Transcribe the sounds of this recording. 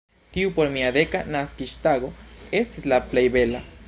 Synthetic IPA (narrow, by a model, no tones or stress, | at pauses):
t̪iupoɾmiaðekanaskiʃt̪aɡoeseslaplejβela